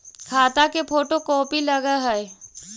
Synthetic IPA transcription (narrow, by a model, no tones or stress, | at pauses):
kʰaːt̪akepʰoːʈokɔːpiləɡaɦɛɛ